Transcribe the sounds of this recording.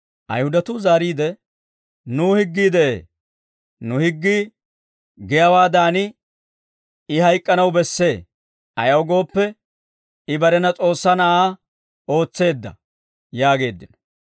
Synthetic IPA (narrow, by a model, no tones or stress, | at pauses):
ʔɐ̰jhʊd̪ɐt̪ʊzaːɾiːd̪ɛ | nuːhɪɡːiːd̪ɛʔḛː | nʊhɪɡːi | ɡɛjɐwaːd̪aːnɪ | ɪhɐjkʼːɐnɐwbɛsːe̞ː | ʔɐjɐɔɡo̞ːpːɛ | ɪbɐɾɛnɐt͡sʼo̞ːsːɐnɐʔaː | o̞ːt͡sːe̞ːd̪ːɐ̰ | jaːɡe̞ːd̪ːɪnɔ̥